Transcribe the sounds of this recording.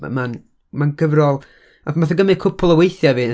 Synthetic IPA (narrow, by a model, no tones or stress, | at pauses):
man | manɡəvrɔlˠ | amaθəɡəmɪkʰʊpʰʊlˠəwejθjaviː